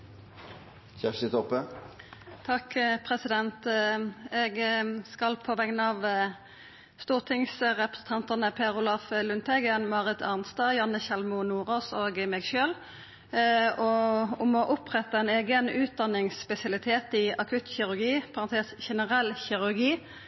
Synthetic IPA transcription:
çæʃɪt̪ɔpə | t̪ʰɑkpʰʁɛsɪd̪ɛnt̪ | ɛɡskɑlpʰɔʋɛŋnəɑʋ | st̪uːʁt̪ʰɪŋsʁɛpəsən̩t̪ʰɑnt̪ənəpʰeːʁʊlɑfəlʉnt̪ʰɛɡənmɑːʁɪt̪ʰɑʁnst̪ɑːjɑnəçɛlmʊnuːʁoːsoːɡmɛːɡʃøːl | ɔʊmɔʔʊpʁɛt̪ɑɛneːɡənʉːt̪̚d̪ɑnːɪŋspɛsɪɑlɪt̪ʰeːt̪ɪɑkʰʉt̪çɪʁʉʁɡiːpʰɑɑnt̪ʰeːsçɛnəʁɛlçɪʁʉʁɡiː

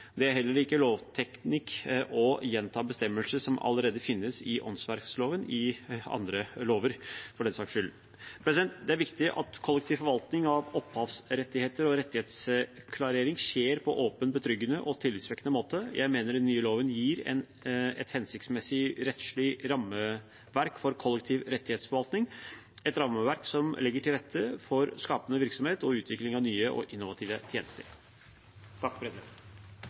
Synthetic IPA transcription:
d̪ɛæɾɦɛlːəɾɪkːəloːʋt̪ʰɛknɪkːʔɔjɛnt̪ʰɑːbəst̪ɛmːəlsəʂɔmɑ̰ləɾeːd̪əfɪnːəsɪʔɔ̰nsʋæɾksloːʋənɪɑ̰nd̪ɾəloːʋəɾfɔɖɛnsɑːkʂʏl | pʰɾɛsɪd̪ɛnt̪d̪ɛæɾʋɪkt̪ɪʔɑ̰t̪kʰɔlːɛkt̪ʰɪːʋfɔɾʋɑlt̪nɪŋɑʋɔphɑːʋsɾɛt̪ːɪheːt̪əɾɔɾɛt̪ːɪheːt̪skʰlɑɾeːɾɪŋɕeːɾpʰɔʔoːpənbət̪ʰɾʏɡːənəʔɔt̪ʰɪlːɪt̪sʋɛkːənəmoːt̪əjʔæ̰ɪmeːnəɾɛnːyːəloːʋənjiːɾɛ̰n | ɛ̰t̪hɛnsɪkt̪smɛsːɪɾɛt̪ʂɭɪɾɑmːə | ʋæɾkfɔɾkʰɔlːɛkt̪ʰiːʋɾɛt̪ːɪheːt̪sfɔʋɑlt̪nɪŋɛt̪ɾɑmːəʋæɾksɔmlɪɡːəʈʰɪlɾɛt̪ʰːəfɔɾskɑːpənəʋɪɾksɔmheːt̪ɔʉːt̪ʰʋɪklɪŋɑʋnyːəʔɔ̰ʔɪnːʊʋɑt̪ʰiːʋət̪ʰjeːnəst̪ə̰ɾ | t̪ʰɑkːpʰɾɛsɪd̪ɛnt̪

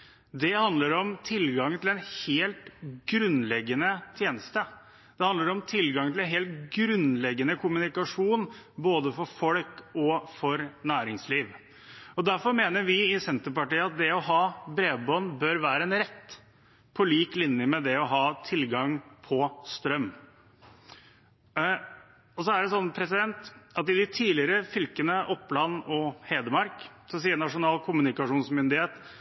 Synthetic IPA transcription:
d̪ɛhɑnd̪ləɾɔmt̪ʰɪlɡɑŋt̪ʰɪlɛnheːlt̪ɡɾʉnlɛɡːənət̪ʰjeːnəst̪ə | d̪̥ɛhɑnd̪əɾɔmt̪ʰɪlɡɑŋt̪ʰɪlɛnɦeːlt̪ɡɾʉnlɛɡːənəkʰʊmʉnɪkɑʂuːnboːd̪əfɔɾfɔlkɔfɔɾnæːɾɪŋsliːʋ | ɔd̪æɾfɔɾmeːnəɾʋɪɪsɛnt̪əɾpɑʈiːəɑt̪̚d̪ɛɔɦɑːbɾeːʋbɔnbøːɾʋæːɾəɛnɾɛt̪ː | pʰɔliːklɪnjəmɛd̪ɛɔɦɑːt̪ʰɪlɡɑŋpʰɔst̪ɾœm | ɔsɔæɖɛs̬ɔnːpʰɾɛsɪd̪ɛnt̪ɑt̪ɪd̪ɪt̪ʰiːlɪəɾəfʏlkənəʔɔpːlɑnːɔheːd̪əmɑɾk | sɔms̬iːənɑʂʊnɑːlkʰʊmʉnɪkɑʂuːnsmʏnd̪ɪheːt̪

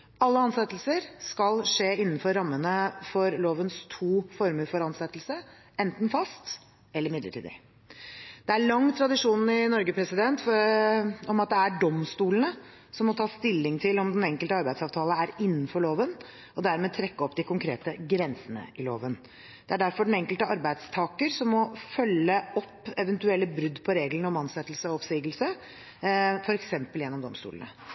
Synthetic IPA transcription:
ɑlːəɑnsɛt̪ːəlsəɾskɑlʂeːɪn̩ːfɔɾːɑmːənəfɔɾloːʋənst̪ʰuːfɔɾməɾfɔɾɑnsɛt̪ːəlsə | ɛnt̪n̩fɑst̪ | ɛlːəɾmɪd̪lə̰ʈʰiːd̪ɪ̰ | d̪̥ɛæɭɑŋːt̪ʰɾɑd̪ɪʂuːnɪnɔɾɡəpʰɾɛsɪd̪ɛnt̪fɔ | ɔmɑt̪̚d̪ɛæɖɔmst̪uːlənə | sɔmːɔt̪ʰɑːst̪ɪlːɪŋt̪ʰɪlɔmd̪ɛnɛŋkəlt̪əɑɾbæɪd̪sɑːʋt̪ʰɑːləæɾɪnːnfɔɭoːʋən | ɔd̪æɾmɛːt̪ʰɾɛkːəɔpːd̪ɪkʰʊŋkʰɾeːt̪əɡɾɛnsənə̰ɪlo̰ːʋən | d̪̥ɛæɖæɾfɔɖɛnɛŋkəlt̪əɑɾbæɪd̪st̪ʰɑːkəɾsɔmːɔfœlːəʔɔpːɛʋənt̪ʉɛlːəbɾʉd̪ːpʰɔɾeːɡlənəɔmɑnsɛt̪ːl̩səɔɔpsiːɡəlsə | fɔɾɛksɛmpəljɛnːɔmd̪ɔ̰mst̪ṵːlənə̰

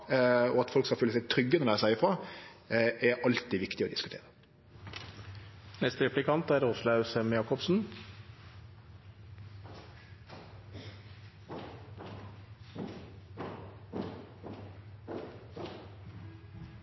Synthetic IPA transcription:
ɔɑt̪fɔlkskɑfœlːəsæɪt̪ʰɾʏɡːənɔɾd̪æɪsæɪəfɾɑː | ʔɛɾʔɑlt̪ɪʋɪkt̪ɪɔd̪ɪskʉ̥t̪ḛːɾə | nɛst̪əɾɛplɪkʰɑnt̪æɾʁʊslɑʉsəmjɑːkɔbsn̩

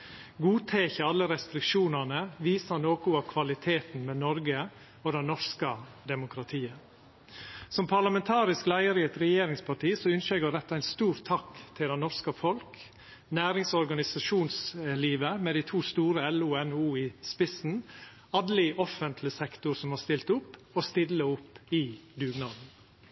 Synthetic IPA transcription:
ɡuːt̪ʰeːçəɑlːəɾɛst̪ɾɪkʃuːnɑnəʋiːsɑnoːkʊɑkʰʋɑlɪt̪ʰeːt̪n̩mɛnɔɾɡə | od̪ɛnnɔʂkə | d̪ɛmʊkʰɾɑt̪ʰiːə | sɔmpʰɑɾlɑmɛnt̪ʰɑːɾɪsklæɪəɾɪɛt̪ɾɛjeːɾɪŋspʰɑʈiːsɔʏnʃɛɡəd̪ɛt̪ːɑæɪnst̪uːɾt̪ʰɑkt̪ʰɪld̪ɛnnɔɾskəfɔlk | næːɾɪŋsɔɾɡɑnɪsɑʃuːnsliːʋəmɛd̪æɪt̪ʰuːst̪uːɾəɛluːɛnuːɪspɪsn̩ | ɑd̪lɪʔɔfənt̪ʰlɪsɛkt̪ʊɾsɔmhɑːst̪ɪlt̪ʊpː | ost̪ɪlːəʊpːɪd̪ʉːɡnɑːd̪n̩

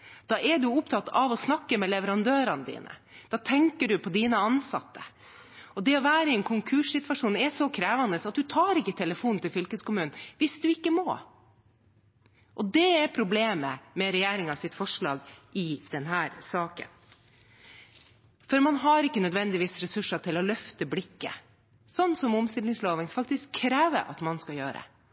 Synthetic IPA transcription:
d̪̥ɑːɛɖʉʊpt̪ʰɑt̪ːɑʋɔsnɑkːəmɛlɛʋəɾɑnd̪øːɾɑnəd̪ḭːnə̰d̪̥ɑːt̪ʰɛŋkəɖʉpʰɔd̪iːnəɑnsɑ̰t̪ːə̰ | ɔd̪ɛɔʋæːɾəɪɛnkʰʊŋkʰʉːʂsɪt̪ʋɑʂuːnɛsɔkʰɾeːʋɑnd̪əsɑt̪̚d̪ʉt̪ʰɑːɾɪkːət̪ʰɛləfuːnnt̪ɪlfʏlkəskʊmʉːnnʋɪsd̪ʉɪkːəmo̰ː | ʔɔd̪ɛɛɾpʰɾʊbleːmə̰mɛɾɛjeːɾɪŋɑʋsɪt̪fɔʂɭɑ̰ːɡʔɪd̪̥ɛnɦæːɾsɑːkə̰n | fɔɾmɑnɦɑɾɪkːənœd̪ʋɛnd̪ɪʋiːsɾɛsʉʂːɑʈ̪ʰɪlɔlœft̪əblɪkːə̰ | sɔnːsɔmʊmst̪ɪld̪ɪŋsloːʋɪŋsfɑk̚t̪ɪskʰːɾeːʋə̰ɾʔɑ̰t̪mɑnskɑjø̰ːɾə̰

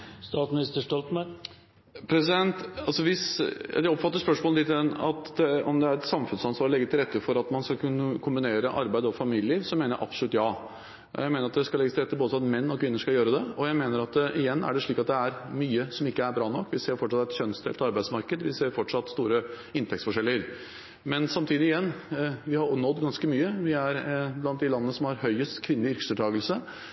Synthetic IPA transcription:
st̪ɑːt̪smɪnɪst̪əʂʈɔlt̪mɑ | pʰɾɛsɪd̪ɛnt̪ɑlsɔʋɪsd̪ɛɔpfɑt̪ːəʂpœʂmolɪt̪ːɪd̪ɛnɑ̰t̪d̪ɛɔmd̪ɛæɾɛt̪sɑmfʉnsɑnsʋɑɾɔlɛɡət̪ɪlɾɛt̪ːəfɔɾɑt̪mɑnskɑkʉnːəkʰʊmbɪneːɾəʔɑɾbæɪɔfɑmiləɪəʋsɔmeːnəʔɑ̰psɔlʉt̪ːjɑː | jæɪmeːnɾɑt̪̚d̪ɛskɑlɛɡːət̪ɪɾɛt̪ːəboːsɑt̪mɛnːɔkʰʋɪnːəʂkɑljøːɾəd̪ɛɔjæɪmeːnəɾɑt̪ʔɪjɛnːæ̰ɖɛʂɭiːkɑt̪̚d̪ɛæɾmyːəsɔmɪkːəæɾbɾɑːnɔkːʋɪseːɾfɔʈːʂɑt̪ːɛt̪çœnst̪ʰɛ̰lt̪ɑɾbæɪd̪smɑɾkəd̪ʋɪseːɾfɔʈʂɑt̪ːst̪uːɾə | ɪnt̪ʰɛkt̪sfɔʂɛlːɪəɾ | mɛnsɑmt̪ʰiːd̪ɪjɛnːʋɪhɑɾnɔd̪ːɡɑnskəmyːəʋɪæɾblɑnt̪̚d̪ɪlɑnːənəsɔmhɑɾhœʏəst̪kʰʋɪnːəlɪʏɾkə̥sɛʈ̪ʰɑːɡəlsə

